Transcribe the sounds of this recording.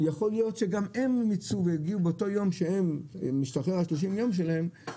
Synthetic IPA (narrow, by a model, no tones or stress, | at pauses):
jaχo̞lijo̞tʃeɡamemːit͡suvejiɡiubeoto̞jo̞mʃeemːiʃtaχeʁhaʃloʃ̬imjo̞mʃ̬elahe̞m